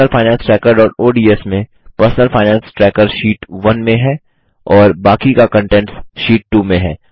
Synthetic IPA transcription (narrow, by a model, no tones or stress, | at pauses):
əlfʰaːɪnãːnsʈɾɛːkəɾɖɔːʈoːɖiːɛsmẽ | pəɾsnəlfaːɪnãːnsʈɾɛːkəɾʃiːʈʋɐnmẽɦɛ | ɔːɾbaːkikakə̃ɳʈɛ̃ɳʈsʃiːʈ̚ːuːmẽɦɛː